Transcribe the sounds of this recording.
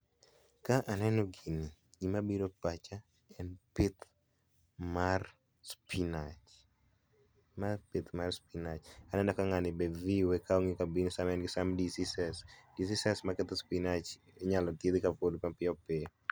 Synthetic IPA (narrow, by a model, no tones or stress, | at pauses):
kaʔanɛnɔɡinɪɡimabiɾopat͡ʃa | ɛnpɪt̪ | mar | spʰinat͡ʃ | mapɪt̪marspinat͡ʃanɛnɔkaŋanɪbeviwɛkaoŋikabinsamɛnɡɪsamdisisɛsdisisɛsmakɪt̪spinat͡ʃ | eɲalɔtjed̪ikapodmapɪɔpɪ